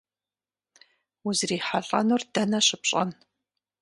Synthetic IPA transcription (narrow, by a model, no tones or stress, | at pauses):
uzriːħaɬʼɐ̰nurdɐnɐɕʼɪpɕʼɐ̰n